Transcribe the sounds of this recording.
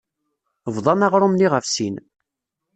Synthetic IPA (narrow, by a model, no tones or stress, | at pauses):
vðˤɑnɑʁɾˤʊmniʁəfsin